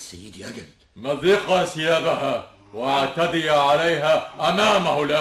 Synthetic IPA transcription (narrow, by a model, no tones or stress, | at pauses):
sajːɪd̪ʔaɡab̪maðɪqasɪjaːdaɦaː | waʕt̪ad̪ɪjaʕalajɦaːʔamaːmahʊlʔa